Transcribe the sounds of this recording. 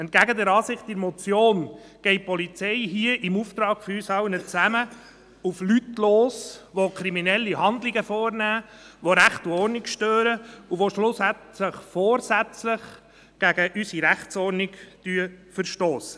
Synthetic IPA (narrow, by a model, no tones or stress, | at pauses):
ɛnt̚ɡ̥æɡəd̪ɛɾɑːsɪχtɪɾmɔt͡sjoːn | ɡ̥ɛɪt̚pɔlit͡sɛɪɦiəʔɪmuft̪ɾɑːɡ̥fysɑwnət͡sæmə | uflytloːsʋokʰɾiminɛlːiɦɑnd̪liɡəfɔːɾnæːʋoɾæχtɔɾrnɪkʃtøːɾəuʋoʃlʊsætləχfɔːɾsæt͡sləχ | ɡ̥æɡəʔysiɾæχt͡sɔːɾnikd̥yəfəɾʃtoːsə̥